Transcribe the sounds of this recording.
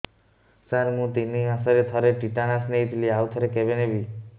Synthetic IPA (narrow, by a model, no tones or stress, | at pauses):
saɾmũt̪iniãsɔɾet̪ʰɔɾeʈiʈaɽasnejt̪ʰiliawt̪ʰɔɾekebenebi